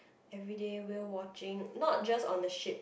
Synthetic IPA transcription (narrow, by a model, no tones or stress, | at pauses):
ɛvɹidewiəwɔt͡ʃɪ̃ŋnɔt̚d͡ʒasɔ̰̃ndəʃip̚